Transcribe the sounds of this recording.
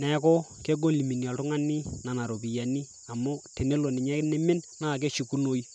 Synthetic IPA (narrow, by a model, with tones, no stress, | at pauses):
nɛ˨kɔ˦ke˦ɡo˦li˨mi˨njɔ˨ltʊ˦ŋa˦ni˦na˨na˨ɾo˨pɪ˨ja˨ni˦ | a˨mʊ˦te˨ne˦lo˨nɪ˨ɲɛ˦nɛ˦mɪ˦nna˦˨k̬e˦ʃi˨ku˦no˦j